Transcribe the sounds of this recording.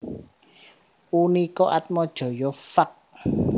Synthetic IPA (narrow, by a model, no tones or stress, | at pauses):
unikɔʔat̪̚mɔd̥ʒ̥ɔ̤jɔfak̚